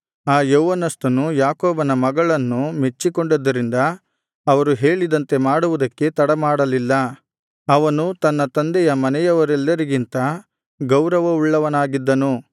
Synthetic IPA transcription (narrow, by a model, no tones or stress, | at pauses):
aːjoːʋɐnɐst̪ɐnujaːkoːbɐnɐmɐɡɐɭɐnːume̞t͡ʃːikoɳɖud̪ːɐɾind̪ɐː | ʋɐɾuɦe̞ːɭid̪ɐnt̪e̞maːɽuʋud̪ɐkːe̞t̪ɐɽɐmaːɽɐlilːɐ | ɐʋɐnut̪ɐnːɐt̪ɐnd̪ɛjɐmɐnɛjɐʋɐɾɛlːɐɾiɡint̪ɐ | ɡɐwɾɐʋɐuɭːɐʋɐnaːɡid̪ːɐnu